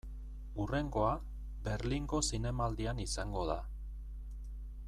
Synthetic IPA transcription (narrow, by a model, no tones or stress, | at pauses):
ure̞ŋɡo̞a | be̞ɾliŋɡo̞sine̞mald̪ianisaŋɡo̞ða